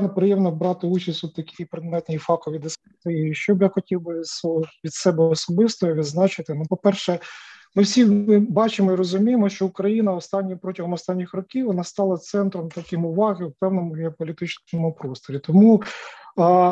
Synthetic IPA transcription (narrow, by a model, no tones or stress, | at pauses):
nepɾɪjɛmnɔbɾɑt̪ɪut͡ʃɐsʲt̪ʲɔd̪̚t̪ːɐkʲijpɾɪd̪mɛt̪nʲijfɑkɔʋʲid̪ɪspɪt̪ɪiʃt͡ʃɔbjaxɔtʲiwbɪsʋʲid̪sɛbɛɔsɔbɪst̪ɔʋʲid̪znɑt͡ʃɪt̪ɪnupɔpɛrʃɛmɪwsʲiɪbɑt͡ʃɪmɔiɾɔzʊmʲijɪmɔʃt͡ʃɔʊkɾɐjinɐɔst̪ɑnʲːipɾɔtʲɐɦɔmɔst̪ɑnʲːixrɔkʲiwʋɔnɑst̪ɑlˠɐt̪sɛnt̪ɾɔmt̪ɐkɪmʊʋɑɦɪwpɛwnɔmʊɦʲɪɔpɔlʲit̪ɪt͡ʃɔmʊpɾɔst̪ɔɾʲit̪ɔmu